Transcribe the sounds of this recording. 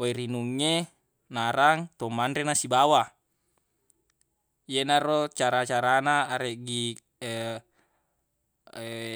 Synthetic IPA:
oiɾinuŋːe | naɾaŋt̪omanɾenasibawa | jenarot͡ʃaɾat͡ʃaɾanaːɾeʔɡi

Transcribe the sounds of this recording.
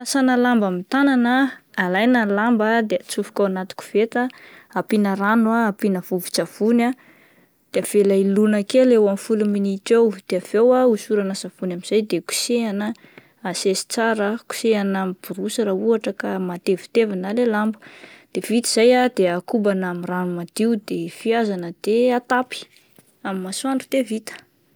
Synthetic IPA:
asanəlambamit̪ananəːlajnəlambad̪eat͡sufu̥kʲawanat̪u̥ku̥v̥et̪aapinəɾanuaapinəv̥uvu̥t͡savuna | d̪̥eav̥elailunakelewamfuluminiʈ͡ʂewd̪̥eav̥ewausuɾanasav̥unamiz̥ajd̪eku̥seanə | asesi̥t͡saɾəku̥seanamib̥uɾusaɾauaʈ͡ʂəkamat̪evi̥t̪evinalelambu̥d̪̥evit̪iz̥ajad̪eakubanamiranumad̪iud̪efiazanəd̪̥eat̪api̥ | amimasuaɳɖ͡ʐu̥t̪evit̪ə̥

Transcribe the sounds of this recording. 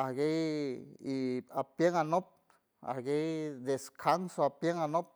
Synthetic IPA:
aɡejiapjeŋanop̚ | a̰hɡejd̪eskʰansoapjeŋanop̚

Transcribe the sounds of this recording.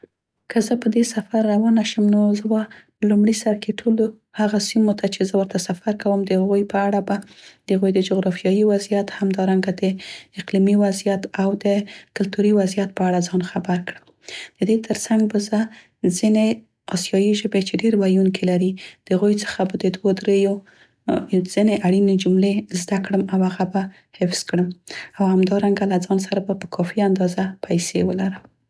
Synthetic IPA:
kʰəzəpəd̪esafaɾːawɑnaʃəmnozəba | əlumɽisaɾkeʈʰolo | haɣasimot̪ʰat͡ʃezəwəɾt̪asafaɾkawəmd̪əhaɣujpəaɽabad̪əhaɣujd̪əd͡ʒoɣɾɑfjɑjiwazijat̪hamd̪ɑɾaŋɡad̪əɪqlimiwazijat̪awd̪əkʊlt̪uɾiwazijat̪̚pəaɽazɑnxabaɾkɽə | d̪̥əd̪et̪ʰəɾsaŋɡ̚bazə | zine | ɑsjɑjiʒəbet͡ʃeɖeɾewajunkʰelaɾid̪̥əhaɣujt͡sə̥xabad̪əd̪wod̪ɾejo | z̥ineʔaɽined͡ʒumlezd̪akɽəmawhaɣaba | hɪfz̥kɽəmawhamd̪ɑɾaŋɡalazɑns̬aɾabapəkʰɑfiand̪ɑzapʰajsewəlaɾəm

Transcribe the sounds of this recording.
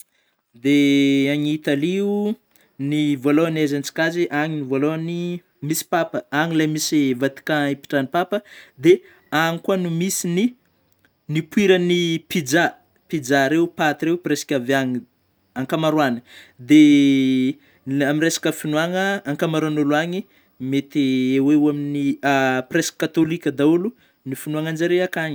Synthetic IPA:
d̪eaɲiit̪aliu | nivoloanezant͡si̥kaziʔaŋinivoloni | misi̥papəaŋilajmisivat̪i̥kaipi̥ʈ͡ʂanipapəd̪e | aŋikuanumisini | nipuiɾənipid͡ʒa | pid͡ʒaɾeupat̪iɾewpresi̥kʲavaŋi | aŋkamaɾwanə̥d̪e | amiɾesḁkəfinuaŋəːŋkamaɾuanuluaɲi | met̪ieweuaminiapreskat̪olikʲəd̪aulu | nifinuaŋand͡ʒaɾeakaɲi̥

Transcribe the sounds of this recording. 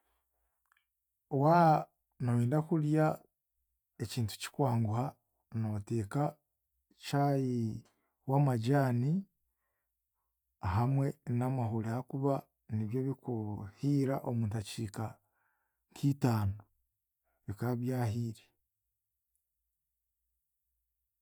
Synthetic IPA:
wa | naweːndakulja | eciːntu̥ci̥kwaːŋɡuha | nate̞ːka | t͡ʃaji | wamaɟaːni | ɦamwe̞namaɦulehakuβa | niβjo̞βikuhiːɾaʔomuːntaciːka | ŋkʰiːtaːno | βikaβjaːɦiːɾe

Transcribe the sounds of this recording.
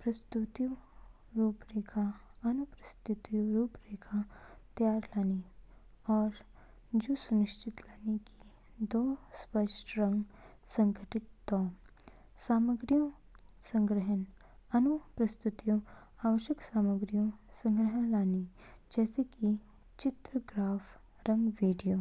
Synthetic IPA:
pɾəst̪ut̪i | ɾuːpɾekʰaənupɾəst̪ut̪iɾuːpɾekʰat̪jaɾlani | ɔɾ | d͡ʑusuniʂt͡ʃʰit̪laniki | d̪ospəʂʈɾəŋɡ | səŋɡʱəʈit̪ːɔ | saməɡɾjũ | səŋɡɾəɦən | ɐnupɾɐst̪ut̪iju | aʋəʃjəksaməɡɾijũsəŋɡɾəɦãlanid͡ʒɛseki | t͡ʃit̪ɾəɡɾaf | ɾəŋɡʋiɖijo

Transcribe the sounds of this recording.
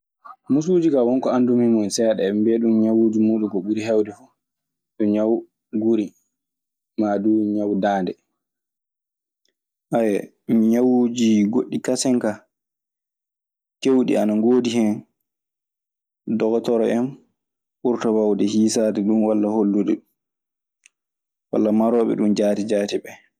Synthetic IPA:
mus̬uːd͡ʒikawɔnkɔandumimɔnsɛɗɛɛmbeɗumɲawuːd͡ʒimuːɗukɔɓuɾiɦɛwdɛfu | ɗɔɲaw | ɡuɾi | maduɲawdaːndɛ | ʔajɛ | mɲawud͡ʒiɡoɗːikasɛŋka | kewɗḭanaŋɡoːdihɛn | dɔɡɔtɔɾɔɛm | ɓuɾtawawdɛhiːsadɛɗunwalːaholːudɛ | wa̰lːamaɾɔɓɛ̰ɗund͡ʒaːtid͡ʒaːtibɛ

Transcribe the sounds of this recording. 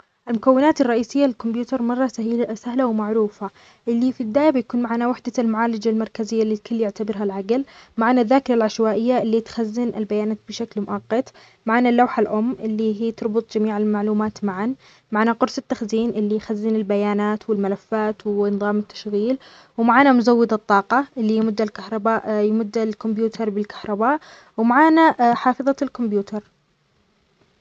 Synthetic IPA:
ʔalmʊkawːɪnaːt̪ɪrˤːɑʔiːsɪjːalɪlkʊmbjuːt̪ɑɾˤmɑrˤːɑsahiːlasahlawmaʕɾuːfa | ʔɪlːifibɪd̪aːjabjakuːnmaʕnawaħd̪almʊʕaːlad͡ʒalmɑɾˤkazɪjːalːikʰʊlːjɪʕt̪abɪɾɦalʕaɡlmaʕnaðːaːkɪɾalʕaʃwaːʔɪjːaʔɪlːit̪xazːɪnʔɪ̰lbajaːnaːt̪̚bɪʃaklmʊʔaqːɑt̪ | maʕnalːawħalʔʊmːʔɪlːiɦiːt̪ɑɾˤbʊt̪ˤd͡ʒamiːʕɪlmaʕluːmaːt̪maʕan | maʕaːnaqʊɾsɪt̪ːaxziːnʔɪlːijxazːinɪlbajaːnaːt̪wɪlmalafːaːt̪wɪnɨðˤɑːmɪt̪ːḁʃɣiːl | wmaʕaːnamʊzawːɪd̪ɨt̪ˤːɑːqɑʔɪlːijmʊd̪ːalkahɾˤɑbaːʔjmʊd̪ːalkʊmbjuːt̪ʰɑɾˤbɪlkḁhɾˤɑbaːʔ | wmaʕaːnaħɑːfɨðˤɑlkʊmbjuːt̪ʰɑɾˤ

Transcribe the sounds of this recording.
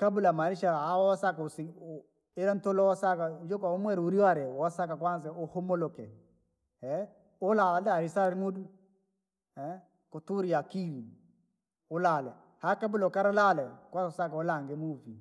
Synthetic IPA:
kabulamaniʃaawwasakaʊsɪ | ɪɾantolɔwasakad͡ʒokaomwɛɾuɾiwaɾɛwasakakwans̬ɛʊhʊmolokɛ̰ | hɛ | ʊlalaɾisaɾmodu | ɛ | kotuɾijakiɾi | ʊlalɛ̰ | hakabʊlokaɾalalɛkwasʊsakaʊlaŋɡemufi

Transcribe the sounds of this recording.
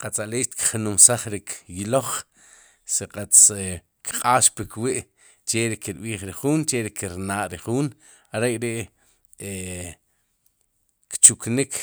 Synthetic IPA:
qat͡saleːʃt̪kχnumsaχɾikʰjiloχ | siqʼat͡s | kqʼaːʃpikwiʔ | t͡ʃeɾikiɾɓiːχɾiχuːnt͡ʃeɾikiɾnaːʔɾiχuːn | aɾekɾiʔ | e | kt͡ʃuknik

